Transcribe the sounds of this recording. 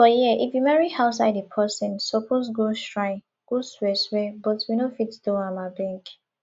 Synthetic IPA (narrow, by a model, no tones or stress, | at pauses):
fɔjiəʔifjumɛɹihaʊtsaɪdepʰɜsɔ̃nsɔpʰos̬ɡoʃɹãɪ̃ | ɡ̥oswɛswɛbɔtwinofitdõãmabɛ̃ŋk